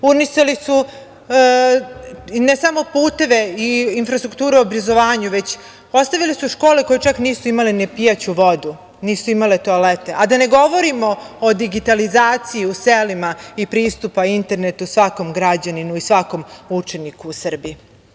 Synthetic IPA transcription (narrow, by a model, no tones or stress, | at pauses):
uniʃt̪alisu | nesamo̞puːt̪e̞ʋe̞iinfɾast̪ɾuk̚t̪uːɾeoobɾazoʋaːɲuʋe̞t͡ɕ | ost̪aʋilisuʃko̞ːlekojet͡ʃakniːsuimalenepijat͡ɕuʋod̪u | niːsuimalet̪oalet̪e̞ʔad̪ane̞ɡo̞ʋo̞ɾimo̞od̪iɡit̪alizaːt̪sijiuselimaipɾiːst̪upaint̪e̞ɾne̞t̪usʋako̞mɡɾad͡ʑaninuisʋako̞mut͡ʂe̞nikuːsr̩bii